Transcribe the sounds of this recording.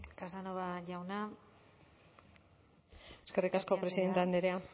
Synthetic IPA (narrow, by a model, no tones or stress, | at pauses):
kazðanoβaʝawna | eske̞rikasko̞pɾe̞siðe̞nt̪eand̪eɾea